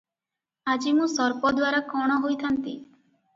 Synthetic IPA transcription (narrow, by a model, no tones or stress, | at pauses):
ad͡ʒimũsɔɾpɔd̪waɾakɔɽ̃ɔɦojt̪ʰant̪i